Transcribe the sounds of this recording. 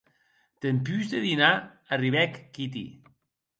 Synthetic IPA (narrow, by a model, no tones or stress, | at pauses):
t̪empyzd̪eðina | ariβɛkːit̪ḭ